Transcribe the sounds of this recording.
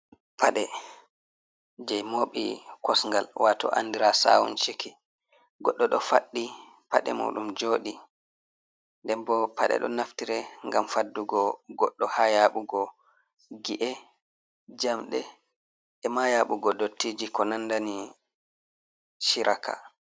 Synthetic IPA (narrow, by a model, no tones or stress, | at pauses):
pʰaɗɛ | d͡ʒɛjmoːɓḭkɔsŋɡalwatɔ̰ʔa̰ndiɾasa̰wṵnt͡ʃiki | ɡɔɗːɔɗɔfaɗːi | paɗɛ̰mṵːɗumd͡ʒoːɗi | ndɛnbɔpʰaɗɛ̰ɗɔ̰naftiɾɛŋɡamfadːuɡɔɡɔɗːɔhajaɓuɡɔ | ɡiʔɛ | d͡ʒamɗɛ | ɛmajaɓuɡɔdotːiːd͡ʒikɔnanːdani | ʃiɾʔakʰa̰